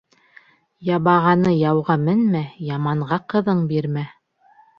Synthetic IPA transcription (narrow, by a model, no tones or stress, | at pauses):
jɑβɑʁɑnɤjɑwʁɑmɘnmæjɑmɑɴʁɑqɤ̆ðɤɴbiɾmæ